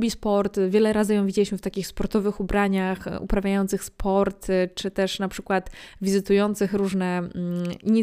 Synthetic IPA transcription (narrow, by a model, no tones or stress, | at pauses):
bʲispɔɾt̪vʲjɛlɛɾazɘjɔ̃w̃vʲid͡ʑelʲiɕmɘft̪akʲixspɔɾt̪ɔvɘxubɾaɲaxṵpɾavʲjajɔnt̪sɘxspʰɔɾt̪t͡ʂɘt̪ɛʂnapʂɘkwat̪vʲizɘt̪ujɔnt̪sɘxɾuʐnɛ | iɲi